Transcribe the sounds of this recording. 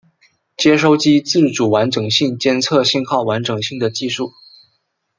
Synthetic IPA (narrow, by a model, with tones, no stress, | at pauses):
t͡ɕjɛ˥ʂo˥˧ʊt͡ɕi˥t͡sɹ̩˥˩ʈ͡ʂu˨˩wa˧˥nʈ͡ʂɤ˨˩ŋɕi˥˩ŋt͡ɕjɛ˥nt͡sʰɤ˥˧ɕi˥˧nxɑ˥˩ʊwa˧˥nʈ͡ʂɤ˨˩ŋɕi˥˩ŋd̪ə˩t͡ɕi˥˧ʂu˥˩